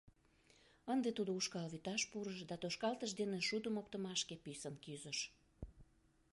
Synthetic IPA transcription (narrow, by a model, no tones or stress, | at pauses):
ənd̪et̪ud̪ouʃkɑlβit̪ɑʃpuɾəʃd̪ɑt̪oʃkɑlt̪əʃd̪eneʃud̪əmop̚t̪əmɑʃkepysənkyzəʃ